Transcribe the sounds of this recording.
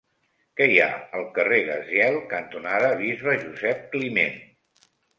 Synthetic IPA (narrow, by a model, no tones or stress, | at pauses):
kɛja̰əlˠkəreɣəzjɛlˠkənt̪unaðəβ̞izβəʒuzɛp̚klimen